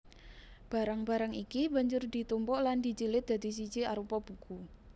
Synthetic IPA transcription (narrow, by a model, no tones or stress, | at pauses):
b̥a̤ɾaŋba̤ɾaŋikiba̤ɲd͡ʒʊrd̪i̤t̪umpɔʔland̪i̤t͡ʃilɪt̪̚d̪̥a̤d̪i̤s̬i̥t͡ʃiaɾupɔb̥ṳku